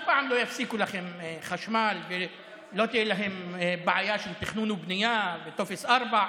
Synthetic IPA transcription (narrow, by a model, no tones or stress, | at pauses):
baʕamloːjafsikulaxɪmxaʃmaːlvɪ | lot̪ɪlaɦɪmbaʕajaːʃɪnt̪ɪxnuːnubnɪjaːvɪt̪ofɪsʔɑɾˤbaʕ